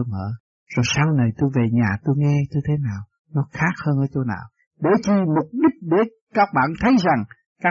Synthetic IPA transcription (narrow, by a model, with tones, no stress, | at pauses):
məː˧˩ | zo˨˩jsaː˧wna˨˩jt̪o˧jve˨˩ɲaː˨˩t̪o˧jŋɛ˧t̪o˧jt̪ʰe˨˦naː˨˩w | nɔ˨˦xaː˦˥k̚həː˧nʔəː˧˩t͡ɕo˧na̰ː˨˩w | ɗe˧˩t͡ɕi˧mʊ˨˩k͡p̚ɗi˦˥k̚ɗe˧˩ | kaː˦˥k̚ɓa̰ː˧˨nt̪ʰə˨˦jza˨˩ŋ | kaː˦˥